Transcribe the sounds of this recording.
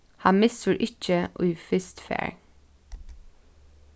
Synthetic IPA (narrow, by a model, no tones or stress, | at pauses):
hɑnmɪsʉɾʔɪc͡çəʔo̰ːiːfʏst̪fæ̰ːɹ